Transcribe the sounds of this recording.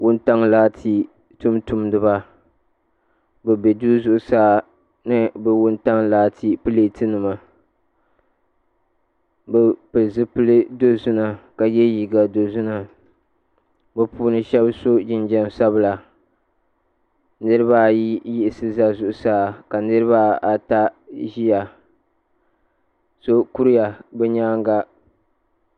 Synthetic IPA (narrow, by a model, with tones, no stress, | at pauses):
wʊ˦n˦ta˦ŋlaː˦tʰi˦ | tʊ˦mtu˨mdɨ˦ba˦ | bɛ˨bɛ˨du˦zʊ˦ʔʊ˦saː˦ | nɨ˦bɛ˦wʊ˦nta˦ŋlaː˦tʰi˦pɨ˦le˨tɨ˦nɨ˨ma˨ | bɛ˦pɨ˨lzɨ˦pɨ˦lɨ˦do˦zʊ˦na˨ka˨jɛ˦ji˨ɡa˨do˨zʊ˦na˨ | bɛ˨puː˦nɨ˦ʃɛ˦bso˦d͡ʒɪ˦nd͡ʒɛ˦n˦sa˦bla˨ | nɨ˦ɾɨ˦ba˦ji˦jɪ˦ʔɪ˦˨sɨ˦za˦zʊ˨ʔʊ˨saː˦˨ka˨nɨ˦ɾɨ˦ba˦a˨ta˦ʒi˦ja˨ | so˦ku˦ɾja˨bɛ˦ɲaː˦ŋ˦ɡa˦